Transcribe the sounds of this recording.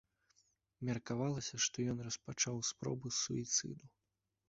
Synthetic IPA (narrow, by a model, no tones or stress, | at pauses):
mʲɐrkavalˠɐsʲɐʂt̪ɔjɔnrɐspat͡ʂawspɾɔ̰bɨsṵit̪sɨ̰d̪u